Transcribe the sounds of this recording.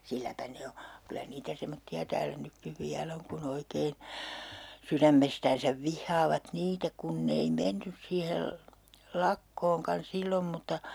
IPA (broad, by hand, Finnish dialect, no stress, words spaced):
silːæpæ ne o kylæ niːtæ semotːiɑ tæːlæ nykːiʋ ʋiæl oŋ kun oikein̞ syræmːestæːnsæʋ ʋihːɑːʋɑt niːtæ kunː ei menːys siːhel lɑkːoːŋkɑn silːom mutːɑ